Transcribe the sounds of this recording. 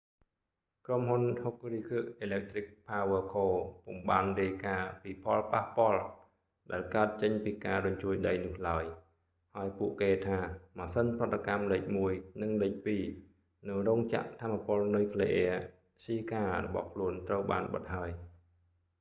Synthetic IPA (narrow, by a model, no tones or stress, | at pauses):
kromɦunhok̚riːkʰɨəʔʔeːlɛk̚t̪rik̚pʰaːʋəəkʰoːpumɓaːnriəjkaːpiːpʰɑlpahpŏəl | ɗaɛlkaət̪̚t͡ɕəɲpiːkaːɾʊɲt͡ɕuəjɗəjnʊ̆əhlaəj | haəjpuəʔkeːt̪ʰaːmaːsənprɑ̆t̪ːakamləːc̚muəjnɨŋləːc̚piː | nɨwrɔːŋt͡ɕa̰ʔt̪ʰaːmːapoəlnujkʰleʔɛə | siːkaːrɔ̰ɓɑ̰hkʰluənt̪rəwɓa̰ːnɓə̰t̪̚ɦaəj